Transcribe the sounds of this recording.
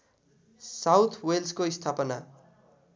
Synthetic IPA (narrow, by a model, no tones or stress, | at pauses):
sawt̪ʰwelskoist̪ʰapʌna